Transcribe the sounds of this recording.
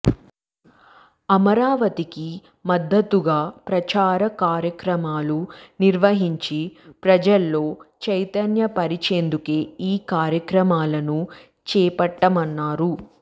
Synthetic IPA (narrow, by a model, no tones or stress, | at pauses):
ɐmɐɾaːʋɐt̪iki | mɐd̪ːɐt̪ːuɡaːpɾɐt͡ʃaːɾɐkaːɾjɐkɾɐmaːluniɾʋɐɦiɲt͡ʃipɾɐd͡ʒɐlːo̞ːt͡ʃɐjt̪ɐnjɐpɐɾit͡ʃeːnd̪ukeːiːkaːɾjɐkɾɐmaːlɐnu | t͡ʃɛːpɐʈːɐmɐnːaːɾu